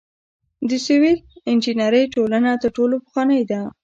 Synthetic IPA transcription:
d̪əsiwilɪnd͡ʒinaɾəjʈolanat̪əɾʈolopə̥xwɑnəjd̪a

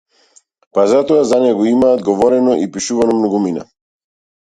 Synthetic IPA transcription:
pazat̪ɔazanɛɡɔimaːd̪ɡɔvɔɾɛnɔʔipiʃuvanɔmnɔɡumina̰

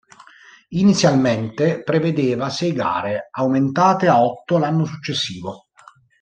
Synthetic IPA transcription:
init̪sːjalment̪epɾeved̪eːvasɛjɡa̰ːɾeawment̪aːt̪eaɔt̪ːolanːosut͡ʃːesːiːvo

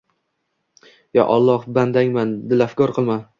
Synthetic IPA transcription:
ja̰ʔɒlˠːɒhband̪aŋmand̪ɪlafkɒɾqʰɨlˠma

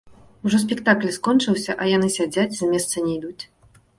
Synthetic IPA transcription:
uʐɔs̬ʲpʲɛkt̪aklʲskɔnt͡ʂɨwsʲɐʔɐjan̪ɨsʲad͡zʲat͡sʲzamʲɛst̪sɐnʲɛjd̪ut͡sʲ

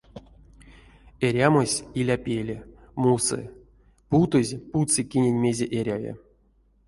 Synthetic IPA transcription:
eɾʲamosʲilʲapʲelʲe | musɨ̰ | put̪ɨzʲput͡sɨkʲinʲenʲmʲezʲeʔeɾʲavʲḛ

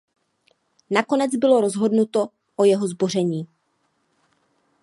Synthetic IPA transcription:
nako̞nɛt͡sd͡zbɪlo̞ɾo̞zɦo̞dnut̪o̞ | ʔojɛɦo̞zbo̞r̝ɛɲiː

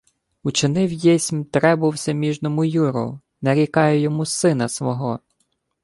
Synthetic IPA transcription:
ut͡ʃɪnɪwjɛsʲmʲt̪ɾɛbʊwsʲɐmʲiʒnɔmʊjuɾɔ̰ | nɐɾʲikɑjɛjɔmusɪnɐsʋɔɦɔ

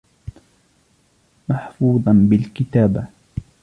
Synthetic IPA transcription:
maħfuːðˤɑnbɪlkɪt̪aːba

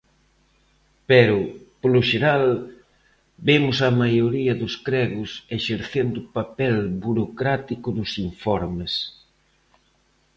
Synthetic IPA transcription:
pɛɾʊpolʊʃeɾal | bemʊsɐmajoɾiɐðʊskɾɛɣʊseʃeɾθend̪ʊpapɛlbuɾokɾat̪ikʊðʊsiɱfɔɾmes

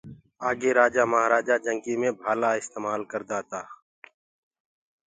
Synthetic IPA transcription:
aːɡeɾaːd͡ʒamɐɦaɾaːd͡ʒad͡ʒɐ̃ŋkimẽbʱaːlaɪst̪eːmaːlkəɾd̪aːt̪aː

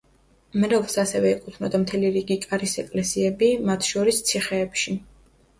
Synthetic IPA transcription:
mɾɛlˠsasɛvɛɛkʼut̪ʰnɔd̪amt̪ʰɛliɾiɡikʼaɾisɛkʼlɛsiɛbimat̪ʰʃɔɾist̪sʰiχɛːpʃi

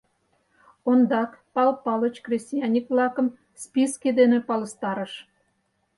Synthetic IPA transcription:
ond̪ɑkpɑlpɑlət͡ɕkrʲesʲt̪ʲijɑnʲikvlɑkə̆m | spisked̪enepɑlə̆st̪ɑɾə̆ʃ

